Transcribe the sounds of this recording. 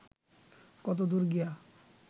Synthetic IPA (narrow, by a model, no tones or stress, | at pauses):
kɔt̪̬od̪uɾɡija